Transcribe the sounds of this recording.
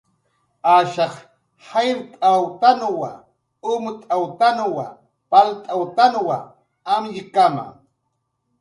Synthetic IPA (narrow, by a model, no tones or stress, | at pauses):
aʃɑχ | hajɾt̪ʼawt̪anwa̰ | ʊmʊt̪ʼawt̪anwa̰ | palt̪ʼawt̪anwa | amʎɪkama̰ŋ